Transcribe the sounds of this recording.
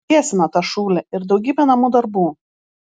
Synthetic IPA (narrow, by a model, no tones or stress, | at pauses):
iɛsʲɪnɐt̪ɑʃuːlʲɛɪɾd̪ɒʊɡʲiːbʲɛnɐmuːd̪ɐɾbuː